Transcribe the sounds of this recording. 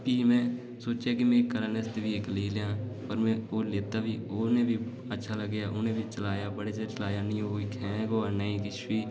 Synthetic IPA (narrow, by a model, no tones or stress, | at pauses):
piːmɛ̃ː | soːt͡ʃeːkɪmẽːkəɾənəst̪eʋiɪkleːljãːpəɾmɛ̃ːoːleːt̪aːbiːonẽːbʱiː | ətːʃʰaːləɡːjaːʔʊnẽːbit͡ʃəlaːjaːbəɽeːd͡ʒet͡ʃəlaːjaːnɪjõːikʰɛ̃ːɡoːaːnəĩːkɪʃʋiː